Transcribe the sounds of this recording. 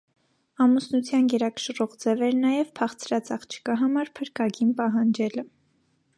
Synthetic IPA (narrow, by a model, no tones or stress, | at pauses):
ɑmusnut͡sʰjɑnɡɛɾɑkə̥ʃrɔʁd͡zɛvɛɾnɑjɛvpʰɑχt͡sʰɾɑt͡sɑχt͡ʃʰə̥kɑɦɑmɑɾpʰəɾkɑɡinpɑɦɑnd͡ʒɛlə